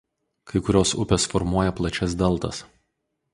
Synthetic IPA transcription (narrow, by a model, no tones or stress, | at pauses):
kɐɪkʊɾʲoːsʊ̰pʲeːsfɔɾmuɔjɛplˠɐt͡ʃʲɛs̬d̪ɐlˠt̪ɐ̰s